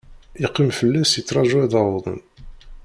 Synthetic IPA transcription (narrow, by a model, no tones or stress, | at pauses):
iqːimfəlːæsit͡sːɾˤɑʒuæðɑɾðˤə̰n